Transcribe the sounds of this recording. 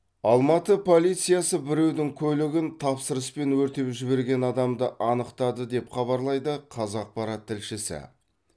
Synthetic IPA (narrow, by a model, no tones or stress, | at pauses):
ɑlˠmɑt̪əpʰo̞lˠijt̪sɨjasəbɪɾe̞wd̪ɪŋkʲʰɵlɪɡʲɪnt̪ʰɑpsəɾəspe̞nwɵɾt̪e̞pʒɪbe̞ɾɡʲe̞nɑd̪ɑmd̪əʔɑnəqt̪ɑd̪əd̪e̞pχɑβɑɾlˠɑjd̪əqʰɑzɑq̚pɑɾɑt̪ʰːɪlʃɪsɪ̰